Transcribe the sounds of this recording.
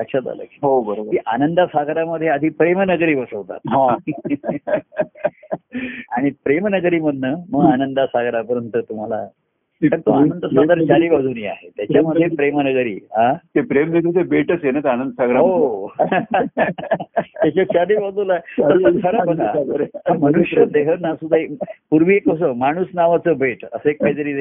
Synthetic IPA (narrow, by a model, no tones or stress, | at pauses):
sakɕat̪a̰lə̰ːɦobəɾobəiʔanənd̪asaɡɾaməd̪ʱjeəd̪ʱiːpɾemənəɡɾiːbəsəʋt̪a̰t̪ɦã | aɽ̃ipɾemnəɡɾiːməd̪ʱnəːməɡanənd̪asaɡɾapəɾənt̪ət̪um̤ala̰ | əɾt̪uanənd̪əsad̪əɾt͡ɕaliːbad͡zʱuːniːa̰ɦet̪jat͡ɕaməd̪ʱːjepɾemnəɡɾḭːɦãt̪epɾemnəɡ̪ut̪ebʱeʈəsjenat̪eanənd̪əsaɡɾao | t̪jat͡ɕat͡ɕaliːbad͡zulaɦeəsəkʰəɾapək̪ʰaməñuɕɾəd̪eɦəɾnasud̪ʱaipuɾʋiekəs̬əmaɽ̃uːsnaʋat͡səːbʱeʈə̰səekːajt̪əɾiːd̪